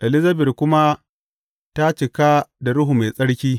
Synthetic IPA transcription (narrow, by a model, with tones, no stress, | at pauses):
ʔɛ˨lɪ˦zɐ˦bɪ˨rkʷʊ˦ma˦ | ta˦t͡ʃɪ˨ka˦da˨ɽʊ˦ɦu˨ma˨jsʼɐ˦ɽkʲiː˦